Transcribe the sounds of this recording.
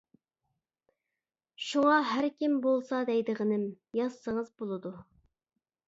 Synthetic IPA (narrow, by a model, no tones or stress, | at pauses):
ʃuŋɑɦæɾkʲimbolˠsɑd̪ɛjd̪ɨʁənɪm | jɑssəŋəzbolˠɨd̪u